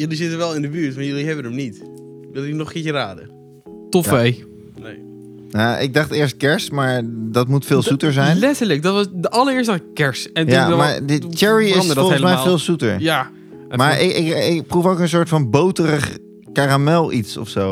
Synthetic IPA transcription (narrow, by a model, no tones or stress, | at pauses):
jəlizɪtəʋɛlˠɪndəbyːɹtmaɹjølˠiɦɛbənəmnit | ʋɪlˠinɔχkɪɹjəraːdə̰ | tɔej | ne | jaɪ̰ɡ̚dɑχtɪɹst̚kɛɹsmaːɹdɑtmutfɪːlˠsutəɹzɛjnlɛtəɹlək̚dɔtʋɑsdəʔɑlˠəɹɪəɹs̬tdɑχɪkkɛɹsɛnjamaɹdət͡ʃɛɹiɪsɔɔsmɛjffɪːlˠsutəɹja | maːɹɪɪkɪkprufowkə̃ns̬oːɹtfɑnbowtərəχ | kaːramɛlˠitsɔ̰fsow